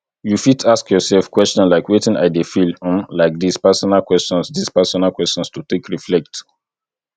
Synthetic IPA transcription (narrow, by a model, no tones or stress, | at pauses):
jufitʰaskjɔsɛlfkwɛst͡ʃɔ̃nlaɪkwetɪ̃na̰ɪdefilɔ̃mlaɪk̚dispɛsɔnalkwɛst͡ʃɔ̃nsdispɛsɔnalkwɛst͡ʃɔ̃nstutekɹiflɛk̚t